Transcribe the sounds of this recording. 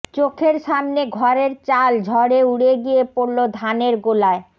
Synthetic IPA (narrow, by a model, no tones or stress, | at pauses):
t͡ɕokʰeɾʃamneɡʱɔɾeɾt͡ɕald͡ʑʱɔɾeuɽeɡijepoɾlod̪ʱaneɾɡolae